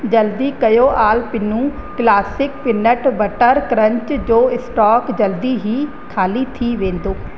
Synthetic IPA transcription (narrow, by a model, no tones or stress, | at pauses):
d͡ʒəld̪iːkəjoːʔaːlpɪnːũːklaːsɪkpɪnəʈbəʈəɾkɾə̃ɲt͡ʃd͡ʒoːɪsʈɔːkd͡ʒəld̪iːɦiː | kʰaːliːt̪ʰiːʋẽːnd̪oː